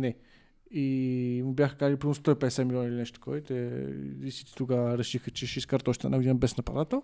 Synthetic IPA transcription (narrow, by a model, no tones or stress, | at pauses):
nɛ | imubjaxəkazəlʲipɾist̪ɔipɛd̪ɛsʲɛmʲilʲonəilʲinɛʃt̪ot̪ɐ̥kʰɔɛt̪ɛlisi̥t̪ʲi̥t̪uɡaɾɛʃixət͡ʃɛʃiskaɾt̪ɔʃit̪ənavid̪inəbɛsnɐpɐ̰ɾat̪o